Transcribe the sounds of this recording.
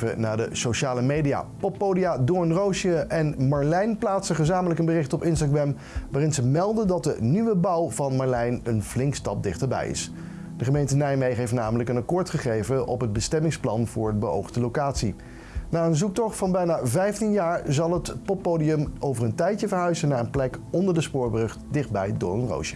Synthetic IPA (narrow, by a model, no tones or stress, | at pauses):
ə̰naːdə̰soʃaːləmejdija̰pɔpːowdijadɔɹnrowʃəʔɛnmɑɹlɛjnplaːtsəχəzaːmələkənbərɪχtɔpɪnstaɡɹɛm | ʋaːrɪnzəmɛlˠdəndɑt̚dənyʋəbɑwvɑnmɑɹlɛjnənv̥lɪŋkstɑ̰p̚dɪχtəɹbɛ̰jɪ̰s | d̥əχəmejntənɛjmejɦejftnaːmələkənɑkʊːɹtχəχejvəʔɔ̰pɦəd̚bəstɛmɪŋsplɑnv̥ʊːɹədbəo̰wχdəlowkaːtsi | naːənzuk̚tɔχfɑnbɛjnaːvɛjftinjaːɹzɑlˠɦətpɔpːowdiəmʔowvərəntɛjtjəvəɹɦœɥzənaːɹənplɛkɔndəɹdəspʊːɹbrɵχtdɪχd̚bɛ̰jdʊ̰ːɹənro̰wʃə̥